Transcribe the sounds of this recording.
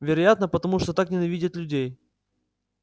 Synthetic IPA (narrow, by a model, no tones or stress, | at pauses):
vʲɪɾɐjat̪nəpət̪ɐmuʂt̪ot̪aknʲɪnɐvʲidʲɪt̪lʲʉdʲej